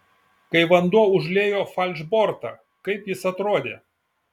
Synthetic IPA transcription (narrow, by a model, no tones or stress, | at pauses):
kɐɪʋɐnd̪uɔʊʒʲlʲeːjoːfɐlʲʒboːɾt̪ɐ̰ː | kɐɪpjɪsɐt̪ɾoːd̪ʲḛː